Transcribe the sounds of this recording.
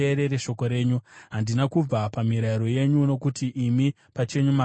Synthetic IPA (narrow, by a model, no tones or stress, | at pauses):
eɾe̞ɾe̞ʃo̞ko̞ɾe̞ːɲuɦandinakub͡vapamiɾaiɾo̞je̞ɲuno̞kutiʔːmi | pat͡ʃe̞ɲuma